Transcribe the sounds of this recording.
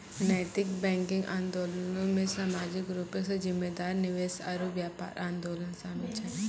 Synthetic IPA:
nɛːt̪ɪkbɛ̃ːŋkɪ̃ŋɡʔã̰ːnd̪oːlənõmẽsaːmaːd͡ʒɪk̚ɡɾʊpẽsezɪmːeːd̪aːɾnɪʋeːsa̰ɾuʋjaːpa̰ːɾʔãːnd̪oːlənsaːnũt͡ʃʰɛ

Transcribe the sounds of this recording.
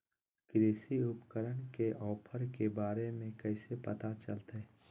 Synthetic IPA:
kɾeːsiʊpkəɾənkeʔɔːpʰəɾkebaːɾemẽkɛːsepɐt̪at͡ʃəlt̪ɦɛː

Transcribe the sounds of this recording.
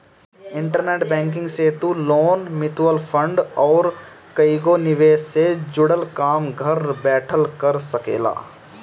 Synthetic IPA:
ɪ̃ɳʈəɾneːʈbɛ̃ːŋk̬ɪ̃ŋɡseːt̪uloːnmɪt̪wəlpʰə̃ɳɖɔːɾ | kəɪɡonɪʋeːsːed͡ʒʊɽəlkaːmɡʱɐɾbɛːʈʰəlkəɾsəkeːla̰ː

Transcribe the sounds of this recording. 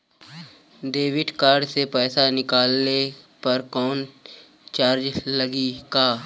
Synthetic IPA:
d̪eːwɪʈkaːɾɖsepɛːsanɪkaːlne | pɐɾkɔːn | t͡ʃaːɾd͡ʒləɡikaː

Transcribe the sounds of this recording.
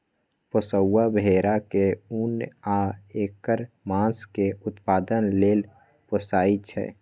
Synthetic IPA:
pəsəwːabʱeːɾakeunaeːkəɾ | mãːskeʊt̪paːd̪ənleːl | pəsaːit͡ʃʰɛ̰ː

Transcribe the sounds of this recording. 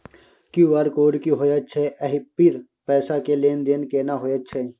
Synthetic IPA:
kuʋaːɾkoːɾkiɦoːjət͡ʃʰeʔɐɦipiɾ | pɛːsakeleːnd̪eːnkeːnaɦoːjət͡ʃʰeː

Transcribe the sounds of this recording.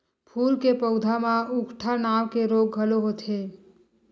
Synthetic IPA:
pʰuːlkepəʊd̪ʱamãʊkʈʰanaːwkeɾoːɡːʱəloɦot̪ʰe

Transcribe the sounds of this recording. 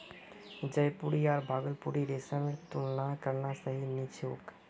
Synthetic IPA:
d͡ʒəjpuɾiaːɾbʱaɡəlpuɾiɾesamet̪ulnakəɾnasəɦinit͡ʃʰo̰ːk

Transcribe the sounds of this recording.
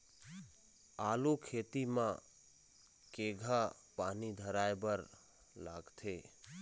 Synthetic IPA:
aːlukʰeːt̪imã | keɡʱa | paːnid̪ʱəɾaːebəɾ | laːɡt̪ʰeː

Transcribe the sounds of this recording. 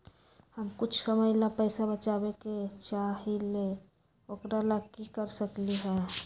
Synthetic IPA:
həmkʊt͡ʃʰsəməjlapəɪsabət͡ʃabeket͡ʃaɦile | okɾalaɡ̚kikəɾsəkliɦɛ

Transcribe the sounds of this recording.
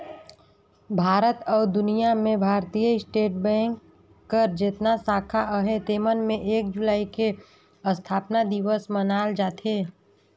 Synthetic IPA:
bʱaːɾət̪ɔːɾd̪ʊnijamẽbʱaːɾt̪ijəɪsʈeːʈ̚bɛ̃ːŋkː | əɾd͡ʒɪt̪nasaːkʰaʔəɦet̪eːmənmẽʔeːk̚d͡ʒʊlaːike | əst̪ʰaːpnad̪iʋəsmənaːld͡ʒaːt̪eː

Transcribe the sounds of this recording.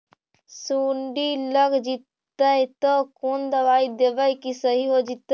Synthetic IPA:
suɳɖiləɡd͡ʒit̪ː | əjt̪ɔkond̪əʋaid̪ebəjkisəɦiɦod͡ʒit̪ːə

